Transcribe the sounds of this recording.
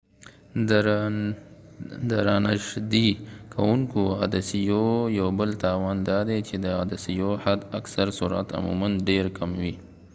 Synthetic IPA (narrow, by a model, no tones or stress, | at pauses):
d̪əɾanaʂd̪ikʰawuŋkoa̰d̪asijojawbəlt̪awaːnd̪aːd̪et͡ʃed̪əad̪asijohad̪ɐksaɾsuɾa̰t̪a̰mṵmɐnɖeɾkamwi